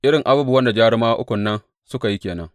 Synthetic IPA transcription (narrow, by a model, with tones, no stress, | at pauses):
ʔɪ˦ɽɪ˨ŋʔa˨buː˦bu˨wɐ˦nda˨d͡ʒaː˦ɽɪ˦maː˦ʔʊ˦kʷʊ˨nːɐ˦n | sʊ˦ka˨ji˦kʲeː˨nɐ̰˦ŋ